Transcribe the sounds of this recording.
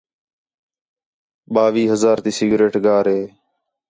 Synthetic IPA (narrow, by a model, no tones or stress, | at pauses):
ɓaːʋiːɦəzaːɾt̪iːsiːɡɾeːʈɡaːɾɦeː